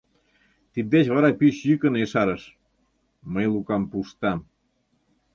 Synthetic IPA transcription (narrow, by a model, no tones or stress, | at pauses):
t̪id̪̚d̪et͡ɕβɑɾɑpyɕjykə̆neʃɑɾəʃ | məjlukɑmpuʃt̪ɑm